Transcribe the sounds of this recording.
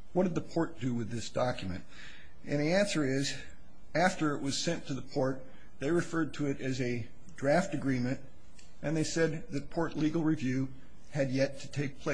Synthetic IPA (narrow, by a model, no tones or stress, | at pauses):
wʌt̚d̥ɨd̪̚ðəpʰɔɹt̚d̥ɨwɨðɪsd̥ɑkjmɨ̰̃nt | ɨ̃nðiæ̃nsə˞ɪz | æftə˞ɨʔ̚wʌz̥sɛ̃ntʰɨðəpʰɔɹt̪̚ | ðeɪɹɨfɜ˞d̚tʰɨɨɾɨzɨ | dɹæftɨɡɹĩmɨ̃nt | ʔɨ̃nðeɪsɛd̪̚ðɨt̚pʰɔɹtˡliɡl̩ˠɹivjʉ | ɨd̚jɛtʰɨ̥tʰeɪk̚pʰl̥eɪ